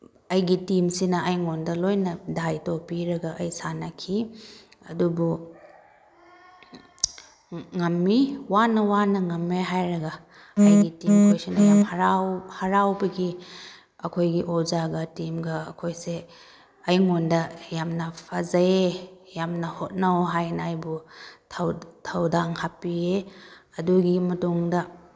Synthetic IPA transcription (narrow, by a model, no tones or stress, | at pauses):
ɐjɡitimsinɐɐjŋondɐlojnɐdajtopiɾɐɡɐʔɐjsanɐkʰiɐdubu | ŋɐmːiwanɐwanɐŋɐmːeɦajɾɐɡɐ | ɐjɡitimɐkʰojsinɐjamhɐɾawhɐɾawbɐɡi | ɐkʰojɡiʔozaɡɐtimɡɐːkʰojse | ɐjŋondɐjamnɐpʰɐzɐjejamnɐhot̚nɐwɦajnɐːjbutʰwtʰɐwdaŋhapie | ɐduɡimɐtuŋdɐ